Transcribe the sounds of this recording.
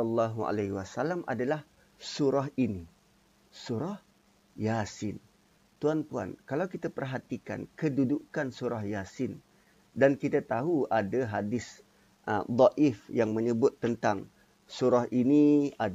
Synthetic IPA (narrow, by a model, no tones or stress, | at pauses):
ɔlːaɦua̰laɦiwasalamʔa̰dalah | suɾaɦini | suɾah | jasɪn | t̪uanpua̰nkalawkit̪apərɦat̪ika̰nkədudukansuɾahjasɪn | dankit̪at̪aɦuadaɦadɪs | ʔəd̪ˤɑʔɪfjaŋməɲəbʊt̪ːənt̪aŋ | suɾahʔinia